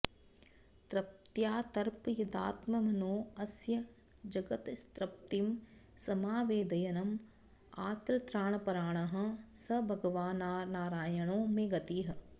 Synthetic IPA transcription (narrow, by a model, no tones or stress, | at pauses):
t̪ɾɐp̚t̪jaːt̪ɐɾpɐjud̪a̰ːt̪mɐmɐnoːɐsjɐ | d͡ʒɐɡɐt̪st̪ɾɐp̚t̪im | sɐmaːʋeːd̪ɐjɐnɐm | aːt̪ɾɐt̪ɾaːɳɐpɐɾaːɳ̃ɐɦɐ̃̆sɐbʱɐɡɐʋaːnaːnaːɾaːjɐɳoːmẽɡɐt̪iːɦɐ̆